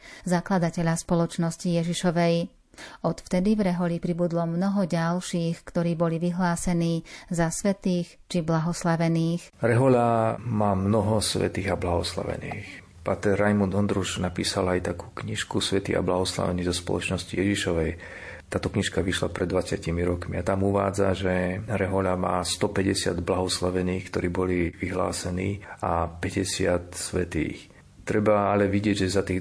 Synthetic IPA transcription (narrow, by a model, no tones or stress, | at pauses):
zaklad̪acɛʎaspɔlɔt͡ʃnɔscijɛʒiʃɔʋɛj | ɔt̪ft̪ɛd̪ivɾɛɦɔlipɾibud̪lɔmnɔɦɔɟalʃiːxkt̪ɔɾiːbɔliʋiɦlaːsɛniːzasʋɛt̪iːx | t͡ʃiblaɦɔslaʋɛniːx | ɾɛɦɔlamaːmnɔɦɔsʋɛ̰t̪iːɣablaɦɔsla̰ʋɛ̰nḭːx | paːt̪ɛɾajmund̪ɔnd̪ɾuʃnapiːsalajt̪akuːkɲiʃkusʋɛt̪ḭːa̰blaɦɔsla̰ʋɛ̰niːzɔspɔ̰lɔ̰t͡ʃnɔscijɛʒiʃɔʋɛj | t̪aːt̪ɔkɲiʃkaʋiʃla̰pɾɛd̪ːʋat͡sɪacimiɾɔkmiat̪amuʋa̰ːd͡zaʒɛɾɛɦɔʎama̰ːst̪ɔpɛɟɛsɪa̰d̪blaɦɔslaʋɛniːxkt̪ɔɾiːbɔliʋiɦla̰ːsɛniːapɛɟɛsɪat̪sʋɛt̪ḭːx | t̪ɾɛbaalɛʋiɟɪɛɟʒɛzat̪iː